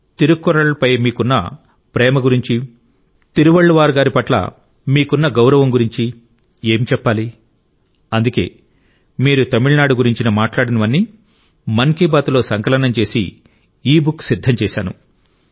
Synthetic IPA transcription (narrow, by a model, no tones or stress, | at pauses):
t̪iɾukːɔɾɐɭpɐjmiːkunːɐ̰ | pɾɛːmɐɡuɾiɲt͡ʃi | t̪iɾuʋɐɭːuʋaːɾɡaːɾipɐʈlɐ̰ | miːkunːɐɡɐwɾɐʋɐmɡuɾiɲt͡ʃi | e̞ːmit͡ʃɛpːaːli | ɐnd̪uke̞̰ː | miːɾut̪ɐmiɭnaːɽuɡuɾiɲt͡ʃinɐmaːʈlaːɽinɐʋɐnːiː | mɐŋkiːbaːt̪ulo̞ːsɐŋkɐlɐɳɐmt͡ʃe̞ːsḭ | iːbuksid̪ʱːɐmt͡ʃɛːʃaːnṵ